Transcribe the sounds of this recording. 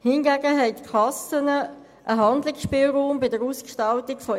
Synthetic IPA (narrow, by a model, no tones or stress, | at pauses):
hɪnɡæːɡəɦɛɪtkʰɑsənə | ʔəɦɑndlɪksʃpiːlʁuːmbɪdəɾuːskʃtɑltɪɡ̥fɔ